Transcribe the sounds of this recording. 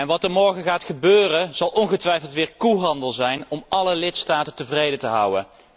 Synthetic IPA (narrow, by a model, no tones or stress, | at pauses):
ɛnʋɑtəɹmɔɹχəχaːtχəbøːrəz̥ɑlˠʔɔnχətʋɛjflˠtʋɪːɹkuɦɑndəlˠzɛjnɔmʔɑləlɪtstaːtəntəvrejdətəɦʌ̰wə̰n